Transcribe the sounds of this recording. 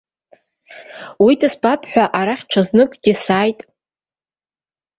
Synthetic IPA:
widɨspʼapʰħʷᶣaʔaɾaχʲʈ͡ʂʰaznɨkʼɡ̥ʲɪsaːjtʼ

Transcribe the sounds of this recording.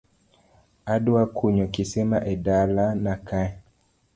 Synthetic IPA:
adwakʰuɲɔkisɛmaʔɛdalanakaɛ

